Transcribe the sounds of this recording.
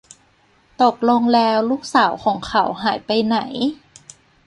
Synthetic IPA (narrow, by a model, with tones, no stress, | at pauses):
t̪o˨˩k̚lo˧ŋlɛː˧wluː˦˥˩k̚saː˩˦wkʰɔː˩˦ŋkʰa˧˩˦wɦaː˩˦jpa˧jna˩˦j